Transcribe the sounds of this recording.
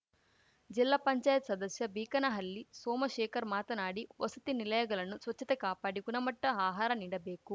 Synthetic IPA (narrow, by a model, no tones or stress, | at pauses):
d͡ʒilːaːpɐɲt͡ʃaːjɐt̪sɐd̪ɐsjɐbiːkɐnɐɦɐlːisoːmɐʃɛːkɐɾmaːt̪ɐnaːɽiʋɐsɐt̪inilɐjɐɡɐlɐnːusʋɐt͡ʃːɐt̪ekaːpaːɽikunɐmɐʈːɐaːɦaːɾɐniːɽɐbeːku